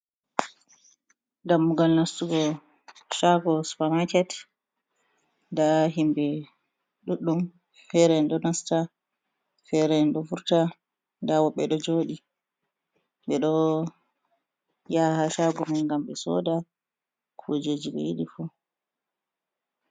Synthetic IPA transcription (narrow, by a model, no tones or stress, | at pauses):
ɡamːuɡalnastuɡɔ | ʃaɡɔspamat͡ʃɛt | ndaɦimbɛ | ɗuɗːum | fɛɾɛnɗɔnasta | fɛɾɛnɗɔfuɾta | ndawɔɓːɛɗɔd͡ʒoːɗi | ɓɛɗɔ | jahaʃaɡɔmanŋɡamɓɛsɔ̰da | kʰud͡ʒed͡ʒiɓɛ̰jiɗifu